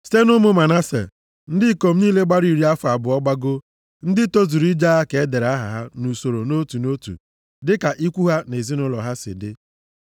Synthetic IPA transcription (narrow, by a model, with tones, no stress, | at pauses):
ste˦nʊ˦mʊ˦ma˨na˦sḛ˨ | n̩˦dɪ˦ko˨m̩˦niː˦le˦ɡ͡ba˦ɾi˨ɾi˦a˦fa˨bʊ˨ɔ˦ɡ͡ba˦ɡo˦ | n̩˦dɪ˦to˦zu˨ɾi˦d͡ʒa˦a˦ke˨e˦de˨ɾa˦ɦa̰˨ɦa˦nu˨so˨ɾo˨no˦tu˨no˦tṵ˨ | dɪ˦ka˨ʔi˦kʷu˦ɦa˦ne˨zi˦nʊ˦lɔ̰˨ɦa˦sɪ̰˨dɪ˦